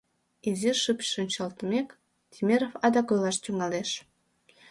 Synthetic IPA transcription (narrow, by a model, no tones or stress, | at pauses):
ezirʃɨpʃʃonʲt͡ɕɑlt̪mek | t̪ʲʰimʲeɾofɑd̪ɑkojlɑʃt̪yŋɑleʃ